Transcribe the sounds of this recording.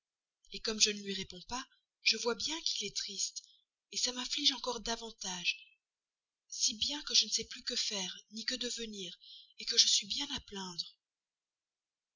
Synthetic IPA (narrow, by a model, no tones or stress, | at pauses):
ekɔmʒənəlɥiʁepɔ̃pa | ʒəvwabjɛ̃kilɛt̪χist̪ | esamɛ̃fliʒɑ̃kɔʁd̪avɑ̃t̪aʒ | sibjɛ̃kəʒənəsɛplykəfɛːʁnikəd̪əvəniːʁekəʒəsɥibjɛ̃naplɛ̃d̪ʁ